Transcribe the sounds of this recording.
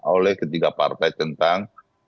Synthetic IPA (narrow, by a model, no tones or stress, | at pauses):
olɛhkət̪iɡapa̰rt̪ajt̪ənt̪aŋ